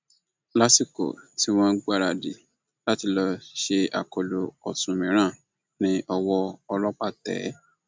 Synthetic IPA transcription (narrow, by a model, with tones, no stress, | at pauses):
la˦si˦˨ko̰˨ti˦w̃ɔ̃˦n̩˦ɡ͡ba˦˨ɾa˧di˨ | la˦ti˧lɔ˧ʃe˧a̰˨ko˨lo˨ɔ˨sũ˨mĩ˨˦ɾ̃ã˦˨ | nĩ˦ʔɔ˧wɔ˧ɔ˧lɔ˦k͡pa˦˨tɛ̰˨˦